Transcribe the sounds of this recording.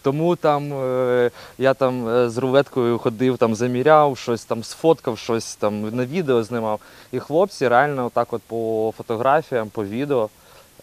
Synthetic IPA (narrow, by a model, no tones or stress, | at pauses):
t̪ɔmut̪ɑm | jat̪ɑmzrʊʋɛt̪kɔjʊxɔd̪ɪwt̪ɑmzɐmʲiɾʲawʃt͡ʃɔsʲt̪ɑmsfɔt̪kɐwʃt͡ʃɔsʲt̪ɑmnɐʋʲid̪eɔznɪmɑw | ixlˠɔp̚t͡sʲiɾealʲnɐɔt̪ːɑkɔt̪̚pɔfɔt̪ɔɣɾafʲijɐmpɔʋʲid̪eɔ